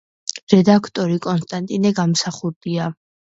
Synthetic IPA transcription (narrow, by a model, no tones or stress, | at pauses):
ɾɛd̪akʰt̪ʼɔɾikʼɔnst̪ʼant̪ʼinɛɡamsaχuɾd̪ia